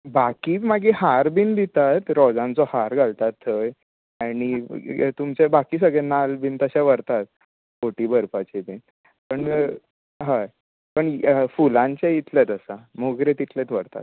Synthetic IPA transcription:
bakiːmaɡiɦaɾbind̪it̪at̪ɾɔd͡zãnt͡sɔhaɾɡʱalt̪at̪ːəj | aɽ̃it̪umt͡ɕebakiːsəɡɭɛnalbint̪əɕaʋəɾt̪at̪̚ | koʈiːbʱəɾpat͡ɕibin | pəɳ | ɦaj | pəɳfulãɲt͡ɕeit̪ʰlet̪əsamoɡɾet̪it̪ʰlet̪ʋəɾt̪a̰t̪

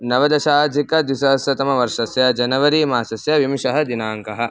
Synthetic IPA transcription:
nɐʋɐd̪ɐʃaːd͡ʒʱikɐd̪ʋisɐɦɐsjɐt̪ɐmɐʋɐɾʂɐsjɐd͡ʒɐnɐʋɐɾiːmaːsɐsjɐʋimʃɐɦɐd̪inaːŋkɐɦɐ̆

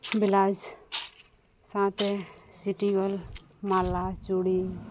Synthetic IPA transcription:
bɪlaːd͡ʒ | sãt̪esiʈiɡɔl | maːlːat͡ʃuːɽi

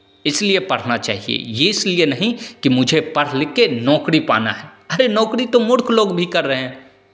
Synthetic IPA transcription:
ɪsliepɐɽ̤nat͡ʃa̰ːɦiḛjeɪslienɐɦĩkimʊd͡ʒʱepɐɽ̤lɪkenɔːkɽipa̰ːna̰ɦɛːɐɾenɔːkɽit̪omʊɽkʰloːɡbʱikɐɾːəɦɛ̃ː

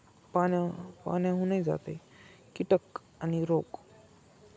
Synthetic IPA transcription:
panjapa̰njãɦunajd͡za̰t̪e | kiʈək | añiɾok

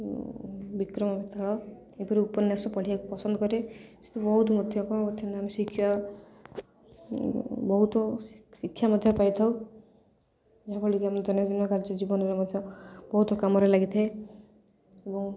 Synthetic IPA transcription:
bikɾɔmɔbit̪aɭɔ | epɔɾiupɔnjasɔpɔɽ̤iakupɔsɔnd̪ɔkɔɾese̥t̪ʰubɔɦut̪ɔmɔd̪ʱjɔkɔbɔt̪ʰːinneamesikʰːjɔ | bɔɦut̪ɔsikʰjamɔd̪ʱjɔpajt̪ʰaw | d͡ʒaɦãbɔɭikiamed̪ɔnjɔd̪inɔkaɾd͡ʒɔd͡ʒibɔnɔɾemɔd̪ʱjɔbɔɦut̪ɔkamɔɾelaɡit̪ʰiae | ebɔŋ

